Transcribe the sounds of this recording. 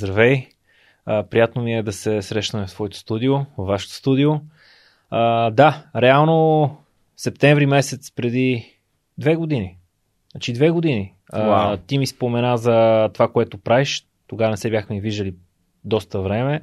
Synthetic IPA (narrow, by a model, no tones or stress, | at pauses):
zɾɐvɛj | əpɾijat̪nomiɛd̪ɐsɛsɾɛʃnəmɛft̪vɔɛt̪o̥st̪ud̪iovvːaʃɛ̥t̪o̥st̪ud̪io | əd̪aɾɛalˠno | sɛp̚t̪ɛɱvɾimɛsɛt̪spɾɛd̪i | d̪vɛɡod̪ini | at͡ʃid̪vɛɡod̪ini | ət̪imispomɛnazɐt̪ovakoɛt̪opɾaviʃ | t̪oɡavənɛsɛbʲjaxmɛiviʒd̪əli | d̪ɔst̪əvɾɛmɛ